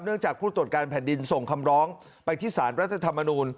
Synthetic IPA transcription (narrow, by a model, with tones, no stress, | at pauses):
p̚nɯ˥˩əŋt͡ɕaː˨˩k̚pʰuː˥˩t̪ɾu˨˩ət̪̚kaː˧npʰɛː˨˩ndi˧nso˨˩ŋkʰa˧mɾɔː˦˥ŋ | pa˧jt̪ʰiː˥˩saː˩˦nɾa˦˥t̪ʰːa˧t̪ʰa˧mːa˧nuː˧n